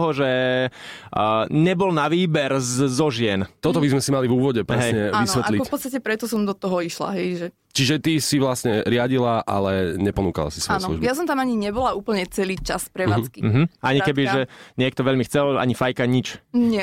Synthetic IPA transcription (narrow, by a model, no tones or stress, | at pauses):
ɦɔʒɛ | ɲɛbɔlnaʋiːbɛɾzɔʒɪɛnt̪ɔt̪ɔbizmɛsimalivuːʋɔɟɛpɾɛɦsɛjɲɛaʋisʋɛt̪alikɔfpɔt̪t͡sst̪acɛpɾɛt̪ɔsɔmd̪ɔt̪ɔɦɔiʃla̰ɦɛjʒɛ | t͡ʃiʒɛt̪isiʋlasɲɛɾɪaɟilaʔa̰lɛɲɛpɔnuːka̰la̰si̥sʋɔjɛnlṵʒbjas̬ɔmt̪amaɲiɲɛbɔlauːpl̩ɲɛt͡sɛliːt͡ʃa̰spɾɛaːt͡skim̩ɦm̩ʔaɲikɛbiʒɛɲɪɛk̚t̪ɔʋɛʎmixt͡sɛla̰ɲifajkaɲit͡ʃɲɪɛ